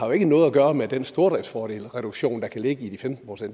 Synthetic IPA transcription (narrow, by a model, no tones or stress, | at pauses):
hɑ̈jo̝e̝ɡ̥ənɔ̽ːð̩ˠæɡ̥ɶːɐmed̥ensd̥o̝ɐdɛd̥sfɒːd̥e̝̰ːlʁɛɾ̥uɡ̥ɕo̝̰ːnd̥ɑ̈kʰæle̝ɡ̥əid̥ifemd̥nn̩pʰʁosen̰d̥